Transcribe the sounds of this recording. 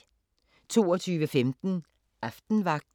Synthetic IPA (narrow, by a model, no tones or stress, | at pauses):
t͡sʰo̝̰ːɒt͡sʰyːʋəfemd̥n̩ | ʔɑfd̥n̩ʋɑ̈ɡ̥̚d̥